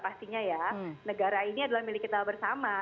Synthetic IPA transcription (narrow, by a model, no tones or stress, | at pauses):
past̪iɲajanəɡaɾainiadalahmilɪkːit̪abərsama